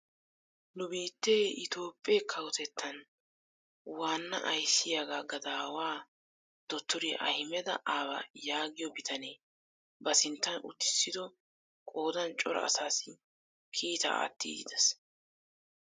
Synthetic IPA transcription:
nʊbiːt̪ːeːʔɪt̪o̞ːpʼːekʰɐwʊt̪ɛt̪ʰːɐn | waːnːɐ̰ʔɐjsːɪjaːɡaːɡɐd̪aːwaː | d̪̥ɔt̪ːʊɾiʔɐ̰hɪmɛd̪ɐ̰ʔaːbɐ̰jaːɡɪjɔbɪt̪ʰɐneː | bɐsɪnt̪ːɐnʊ̰t̪ːɪ̥sːɪd̪ɔ | kʼo̞ːd̪ɐnt͡ʃʼɔɾɔ̰ɐ̰saːsɪ | kʰiːt̪ɐ̰a̰ːt̪ːḭːdɪd̪ɛs

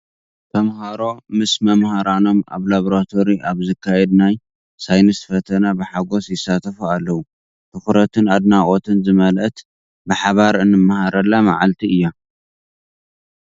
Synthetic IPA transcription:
t̪ʰɐmhaɾo̞mɨsmɐmhaɾano̞ma̰βlaβoɾat̪ʰo̞ɾiʔaβzɨkʰːajɛd̪naj | sajnɐsfɐt̪ʰɐnabɨħaɡo̞sjɪsːat̪ʰɐfualːɐwu | t̪ʰɨxɾɐt̪ʰɨnad̪naʔʼot̪ʰɨnzɨmɐlʔɐt̪ | bɨħaβaɾɨnːɨmːahaɾɐlːama̰ʕalt̪ʰiɨjːa

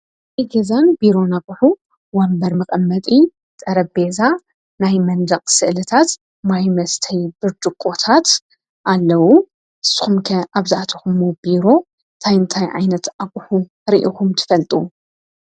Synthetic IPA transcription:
iɡezanbiɾo̞nakʼʊħu | wɐmbɐɾmɐkʼɐmːɐt̪ʼi | t̪ʼɐɾɐbe̞za | najmɐnd̪ɐχʼsɨʔlɨt̪ʰat̪ | majmɐst̪ʰɐjb̥ɨɾd̪ɨkʼːo̞t̪ʰat̪ | ʔalːɐwu | ʔɨsːɨ̥xumkʰɐaβzɨʔat̪ʰɐxumubiɾo̞ | t̪ʰajɨnt̪ʰajʕa̰jnɐt̪ʔakʼuħu | ɾiʔikumt̪ʰɨ̥fɐlt̪ʼu

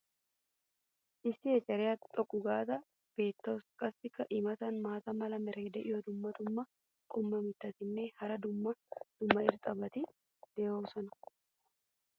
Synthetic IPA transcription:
ʔɪsɪeːsɐɾɪjat̪ʼɔkʼːʊɡaːt̪ɐ | b̥e̞ːt̪ːɐskʼɐsːɪkːɐʔɪmɐt̪ɐnmaːt̪ɐmɐlɐmɛɾeːd̪ɛʔɪjoːd̪ʊmːɐt̪ʊmːɐ | kʼɔmːɐmɪt̪ːɐt̪ɪnːehɐɾɐd̪ʊmːɐd̪̥ʊmːɐɪɾt̪ʼɐbɐt̪ɪ | d̪̥eːoːsɐnɐ

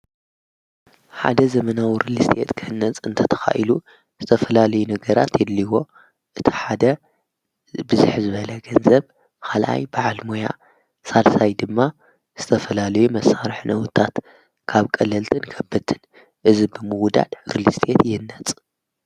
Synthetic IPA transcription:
ħa̰d̪ɐzɐmɐnawiɾɨlist̪ʰʼet̪kʰɨhɨnːɐt͡sʼɨnt̪ʰɐt̪ʰɐ̥xa̰ʔilu | z̥ɨt̪ʰɐfɐlalɐjunɐɡɐɾa̰t̪jɛlːiwo̞ | ʔɨt̪ʰi̥ħad̪ɐ | bɨzɨħzɨβɐlɐɡɐnzɐβ | kʰalʔa̰jbaʕalmoja̰ | salsajd̪ɨmːa | z̥ɨt̪ʰɐfɐlalɐjumɐsːaɾħnɐwt̪ʰat̪ | kʰaβkʼɐlɐlt̪ʰɨnkʰɐbːɨt̪ʰːɨn | ʔɨzibɨmɨwd̪a̰d̪ɾɨlist̪ʰʼet̪jɪnːɐt͡sʼ

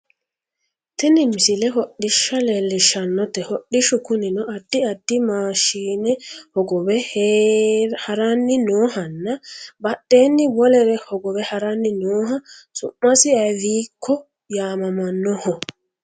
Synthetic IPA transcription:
t̪ɪnɪmɪsɪlɛɦɔɗɪʃːɐlelːɪʃɐnːɔt̪ɛhɔɗɪʃʊkʊnɪnɔʔɐd̪̥ːɪɐd̪ːɪmaːʃiːnɛhɔɡɔbɛh | hɐɾɐnːɪnoːhɐnːɐbɐɗːe̞ːnːɪbɔlɛɾɛhɔɡɔβɛhɐɾɐnːɪnoːɦɐsʊ̰mːɐsɪɐviːkʰːɔ | jaːmɐmɐnːɔhɔ

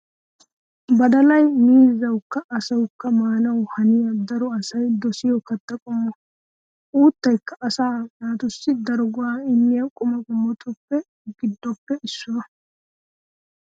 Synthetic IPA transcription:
bɐd̪ɐlɐjmiːzːɐwkːɐːsɐwkːɐmaːnɐwhɐnɪjɐd̪ɐɾɔɐsɐjd̪ɔsɪjɔkɐt̪ːɐkʼʊmːɔ | uːt̪ːɐjkːɐːsaːnaːt̪ʊsːɪd̪ɐɾɡʊaːɪmːɪjɐkʼʊmɐɡʼʊmːɔt̪ʰʼʊpːɛ | ɡɪd̪ːɔpːɛɪsːʊnɐ

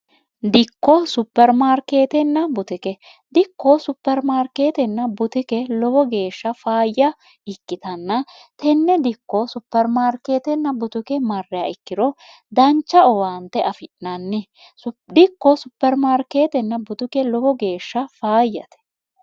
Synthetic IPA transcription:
d̪ɪkːɔsʊpːɛɾmaːɾke̞ːt̪ɛnːɐbʊt̪ɪkɛ | d̪ɪkːɔsʊpːɛɾmaːɾke̞ːt̪ɛnːɐbʊt̪ɪkɛlɔbɔɡe̞ːʃːɐfaːjːɐ | ɪkːɪt̪ɐnːɐ | t̪ɛnːɛd̪ɪkːɔsʊpːɛɾmaːɾke̞ːt̪ɛnːɐbʊt̪ʊkɛmɐrːɛaɪkːɪd̪ɔ | d̪ɐnt͡ʃːɐɔwaːnt̪ɛʔɐfɪʔnɐnːɪ | d̪ɪkːɔsʊpːɛɾmaːɾke̞ːt̪ɛnːɐbʊt̪ʊkɛlɔbɔɡe̞ːʃːɐfaːjːɐ̰t̪ɛ̥

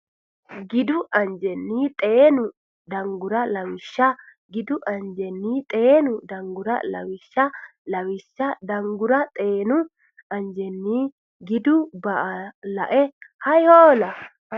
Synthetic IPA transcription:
ɡɪd̪ʊʔɐnd͡ʒɛnːiːt̪ʼeːnʊ | d̪ɐŋɡʊɾɐlɐwɪʃːɐ | ɡɪd̪ʊʔɐnd͡ʒɛnːiːt̪ʼe̞ːnʊd̪ɐŋɡʊɾɐ̰lɐ̰wɪʃːɐlɐwɪʃːɐd̪ɐŋɡʊɾɐt̪ʼe̞ːnʊ | ɐnd͡ʒɛnːiː | ɡɪd̪ʊbɐʔɐlɐʔɛhɐjoːlɐ

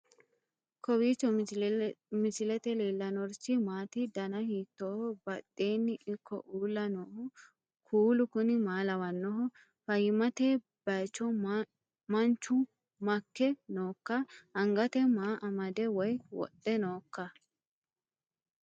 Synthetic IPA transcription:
kɔwiːt͡ʃːɔ | mɪsɪlɛt̪ɛleːlːɐnɔɾsɪmaːt̪ɪd̪ɐnɐhiːt̪ːɔhɔbɐɗːe̞ːnːɪʔɪkʰːɔ̰ʔuːlːɐnɔhɔ | kʰuːlʊkʊnɪmaːlɐwɐnːɔɦɔ | fɐjɪmɐt̪eː | b̥ɐt͡ʃːɔ | mɐnt͡ʃːʊ | mɐkːɛnoːkːɐɐŋɡɐt̪ɛmaːʔɐmɐd̪ɛwɔjwɔ̰ɗɛnoːkːɐ

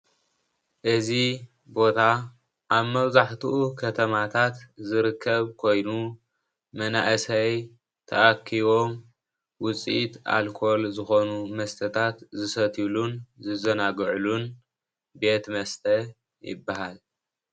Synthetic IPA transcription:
ʔɨzi | bo̞t̪ʰa | ʔaβmɐβzaħt̪ʰuʔukʰɐt̪ʰɐmat̪ʰat̪zɨɾɨkʰːɐβkʰo̞jnu | mɐna̰ʔɨsɐj | t̪ʰɐ̰ʔakʰːiβo̞m | wʊt͡sʼit̪a̰lkʰo̞lzɨxonumɐst̪ʰɐt̪ʰat̪zɨsɐt̪ʰilunzɨzɐnaɡʕlun | be̞t̪mɐst̪ʰɐ | jɪ̰bːaɦal

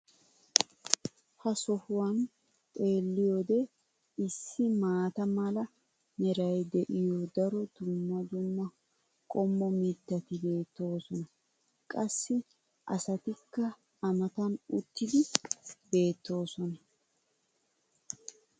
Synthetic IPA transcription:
hɐsɔhʊwɐn | tʼe̞ːlːɪjod̪ɛ | ɪsːɪmaːt̪ɐmɐlɐ | nɛɾɐjd̪ɛʔɪjod̪ɐɾɔd̪̥ʊmːɐd̪ʊmːɐ | kʼɔmːɔmit̪ːɐt̪ɪbe̞ːt̪ːo̞ːsɔnɐ | kʼɐsːɪ | ʔɐ̰sɐt̪ɪkːɐ | ɐmɐt̪ɐnʊt̪ːɪd̪ɪbe̞ːt̪ːo̞ːsɔnɐ

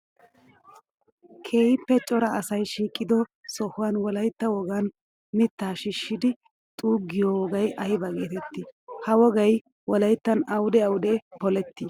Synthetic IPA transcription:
kʰeːhɪpːɛt͡ʃʼɔɾɐɐsɐjʃiːkʼːɪd̪ɔsɔhʊwɐnwɔlɐjt̪ːɐwɔɡɐn | mɪt̪ːaːʃɪʃːɪd̪ɪ | t̪ʼuːɡɪjowɔɡɐjʔɐjɪbɐɡe̞ːt̪ɛt̪ːɪhɐwɔɡɐj | wɔlɐjt̪ːɐnɐwʊd̪ɛɐwʊd̪epɔlɛt̪ːɪ

